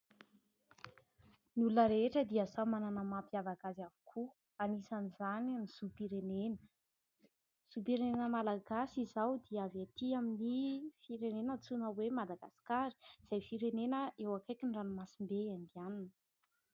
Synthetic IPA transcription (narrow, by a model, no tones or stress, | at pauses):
nulunəɾeʈ͡ʂəd̪iasamananəmapiavaɡazavu̥kʰu | anisanizanniz̥upiɾenenə̥ | z̥upiɾenenəmalaɡasizawd̪iavat̪iaminifiɾenenət͡sunəwemad̪aɡasi̥kaɾi̥z̥ajfiɾenenəʔewakajkiɳɖ͡ʐanumasimbeand̪ianinə